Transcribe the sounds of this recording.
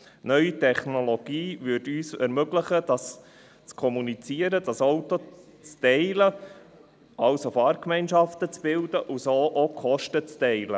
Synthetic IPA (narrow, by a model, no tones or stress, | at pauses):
nœʏitʰɛχnoloɡ̥iːʋʏtyːsɛ̰ɾmøɡlɪχəd̥ɑs | t͡skʰɔmunit͡siːəɾədɑsɔʊto | t͡stɛɪlə | ɑlsofɑːɾkmɛɪnʃɑft̪ət͡sb̥ɪld̥̪əʔusoːʔokʰχɔʃtət͡stɛɪlə̰